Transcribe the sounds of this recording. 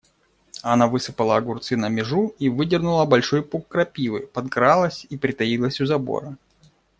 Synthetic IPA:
ɐnavɨsɨpəlˠəɡʊrt̪sɨnəmʲɪʐuivɨdʲɪrnʊlˠəbɐlʲʂo̞jpukːɾɐpʲivɨpɐd̪̚ɡɾalˠəsʲipɾʲɪt̪ɐilˠəsʲʊzɐbo̞̰ɾə

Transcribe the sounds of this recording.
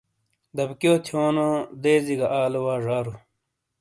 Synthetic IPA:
d̪ɐbkjoːt̪ʰjoːnod̪eːziɡɐʔaːlowaːʐaːɾu

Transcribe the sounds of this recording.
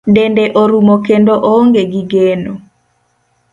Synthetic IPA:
dendeʔoɾumokendoʔoŋɡeɡiɡeno

